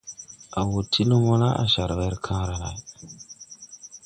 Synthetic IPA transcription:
a˨wo˨tʰːi˦lu˦mo˦na˦ʔa̰˨ʃa˨ɾwe˦ɾkʰã˦ɾa˨na˨j

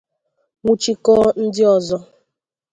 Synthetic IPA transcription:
ŋʷu˦t͡ʃi˦kɔ˦n̩˦dɪ˦ɔ˨zɔ˦

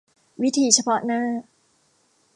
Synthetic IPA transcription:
wi˦˥t̪ʰiː˨˧˩t͡ɕʰa˧pʰɔ˦˥ʔnaː˥˩

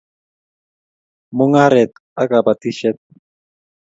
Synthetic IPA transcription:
mo˦ŋa˦ɾɛ˨t̪̚ | a˦ka˨ba˨t̪i˦ʃɛ˦t̪̚

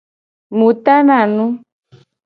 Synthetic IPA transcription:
mũ˨t̪a˦na˨nũ˦

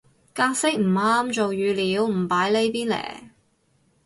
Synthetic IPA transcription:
kaː˧k̚sɪ˥k̚m̩˨˩aː˥mt͡ʃo˨wjyː˨˧liː˨˧˥wm̩˨˩paː˨˥jle˨˧˥jpiː˥nlɛ̰ː˨˩

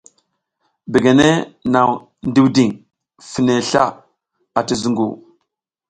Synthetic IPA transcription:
be˨ɡe˨ne˦na˨w | ndi˦wdi˨ŋ | fi˨ne˨ɬa̰˦ | a˨ti˦zu˦ŋɡṵ˨

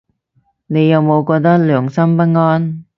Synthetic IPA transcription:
ne˨˧jːɐ˨wmo˨˧wkɔː˧k̚t̪ɐ˥k̚lœː˨˩ŋsɐ˥mpɐ˥t̚ŋɔː˥n

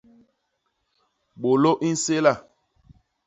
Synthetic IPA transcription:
ɓo˨lo˦ʔi˦n̩˦se˦la˦˨

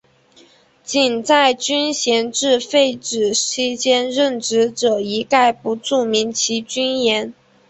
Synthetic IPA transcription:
t͡ɕi˨˩nt͡sa˥˩ɪt͡ɕy˥nɕjɛ˧˥nʈ͡ʂɻ̩˥˧fe˥˩ɪʈ͡ʂɻ̩˨˩ɕi˥t͡ɕjɛ˥nɻə˥˩nʈ͡ʂɻ̩˧˥ʈ͡ʂɤ˨˩i˧˥ka˥˩ɪpu˧˥ʈ͡ʂu˥˩mi˧˥nt͡ɕʰi˧˥t͡ɕy˥njɛ˧˥n

